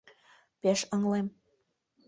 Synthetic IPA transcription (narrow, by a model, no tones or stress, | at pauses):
peʃɤŋlem